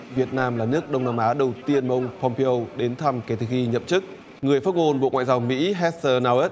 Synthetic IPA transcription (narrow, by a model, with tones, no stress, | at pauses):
vi˨˩ət̚naː˧mlaː˨˩nɨ˦˥ək̚ɗə˧wŋ͡mmaː˧mʔaː˨˦ɗə˨˩wt̪i˧ənma˨˧ʔə˧wŋ͡mpʰɔ˧mpi˧o˧wɗe˨˦nt̪ʰa˧mkɛ˨˦t̪ʰɨ˨˩xi˧ɲə̰˧˨mt͡ɕɨ˦˥k̚ | ŋɨ˨˩əjfaː˦˥t̚ŋo˧nɓo̰˧˨ŋwa̰ː˧˨jzaː˧wmḭ˧˥ɦɛ˦˥t̚səː˧naː˧wə˦˥t̚